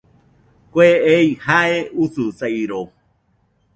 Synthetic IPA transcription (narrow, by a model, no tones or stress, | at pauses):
kʷeejhaeususajɾo